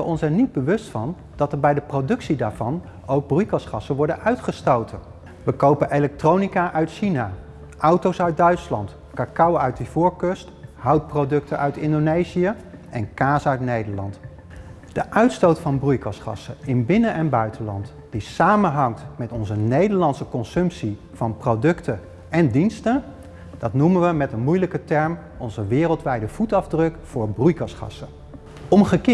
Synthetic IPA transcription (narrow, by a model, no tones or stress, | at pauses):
əɔnsɛjnːid̚bəʋɵstfɑn | d̥ɑtəɹbɛjdəprowdɵksidaːɹv̥ɑn | owɡ̚brujkɑsχɑsəʋɔɹdənœɥtχəstowtən | ʋəkowpənelɛk̚trownikaʔœɥtʃinaː | ʔɑwtowsœɥd̚dœɥtslɑnt | kaːkɑwœɥt̚divʊːɹkɵstɦɑwt̚prodɵk̚tʰənʔœɥtɪndonejziə | ʔɛnkaːsœɥtnejdəɹlɑ̰nt | d̥əʔœɥtstowtfɑnbrujkɑsχɑ̰səɪnbɪnəʔɛnbœɥtəlɑnt | d̥isaːmənɦɑŋtmɛtɔnzənejdəɹlɑnsəkɔnsɵmpsi | v̥ɑnprodɵktə | ɛndinstə | d̥ɑtnumənʋəmɛtənmujləkətɛɹm | ɔnzəʋɪːrəlˠtʋɛjdəv̥utɑvdrɵkfʊːɹbrujkɑsχɑ̰sə | ɔmχəkː